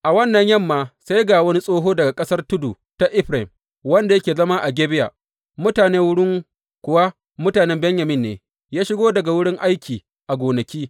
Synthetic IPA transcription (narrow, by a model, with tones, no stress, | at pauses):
ʔa˨wɐ˦nːɐ˨ɲjɐ˦mːaː˨sa˦jɡaː˨wɐ˦ni˦sʼoː˦ɦoː˦dɐ˨ɡa˨kʼɐ˦sɐ˦rtʊ˦du˨ | ta˦ʔɪ˦ɸɾa˨ɪ˨m | wɐ˦nda˨jɐ˦kʲeː˨zɐ˦ma˦ʔa˨ɡʲeː˦bɪ˦ja̰ː˨ | mʊ˦taː˨neː˦wʊ˦ɽɪ˦ŋ | kʷʊ˨wa˦ | mʊ˦taː˨nɛ˦mbɛ˦ɲjɐ˨mɪ˦nːeː˨ | jaː˦ʃɪ˦ɡoː˦dɐ˨ɡa˨wʊ˦ɽɪ˦ŋʔa˦jkʲiː˨ | ʔa˨ɡʷoː˨nɐ˨kʲiː˦